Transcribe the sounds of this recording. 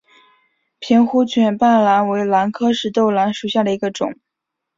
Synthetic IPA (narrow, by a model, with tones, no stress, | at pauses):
pʰi˧˥nxu˥t͡ɕʰɥɛ˨˩npa˥˩nla˧˥nwe˧˥ɪla˧˥nkʰɤ˥ʂɻ̩˥˧t̪o˥˩ʊla˧˥nʂu˨˩ɕja˥˩d̪ə˩i˧˥ɡə˧ʈ͡ʂʊ̰˨˩˦ŋ